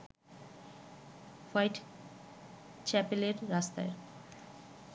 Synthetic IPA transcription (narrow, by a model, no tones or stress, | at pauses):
fajʈ | t͡ɕɛpeleɾːast̪a̰e